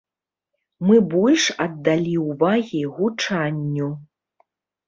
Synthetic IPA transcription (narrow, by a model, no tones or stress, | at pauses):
mɨbɔlʲʂɐd̪ːalʲiwvaɣʲiɣut͡ʂanʲːu